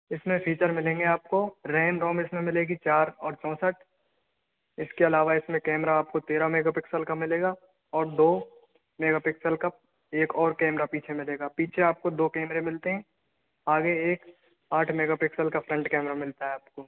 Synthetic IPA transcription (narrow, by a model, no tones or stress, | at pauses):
ɪsmẽpʰiːt͡ʃəɾmɪlẽːŋɡeaːp̚koɾɛːmɾɔ̃ːmɪsmẽmɪleːɡit͡ʃaːɾɔːɾt͡ʃɔ̃ːsəʈ | ɪskeɐlaːʋaɪsmẽkɛːmɾaaːp̚kot̪eːɾameːɡaːpɪksəlkamɪleːɡa | ɔːɾd̪oː | meːɡaːpɪksəlkap̚ | eːkɔːɾkɛːmɾapiːt͡ʃʰemɪleːɡaːpiːt͡ʃʰeaːp̚kod̪oːkɛːmɾemɪlt̪eɦɛ̃ | aːɡeeːk | aːʈʰmeːɡaːpɪksəlkafʰɾɛ̃ɳʈkɛːmɾamɪlt̪aɦɛaːpkoː